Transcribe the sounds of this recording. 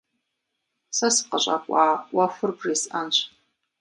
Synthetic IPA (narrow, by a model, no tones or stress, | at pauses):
sasqʼaɕʷʼa̰kʷʼaːwafʷɨrbrisant͡ʃʷʰ